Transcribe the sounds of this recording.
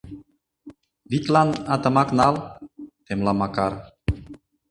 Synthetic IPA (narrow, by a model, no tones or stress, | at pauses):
vit̪lanat̪ə̆maknalt̪emlamakaɾ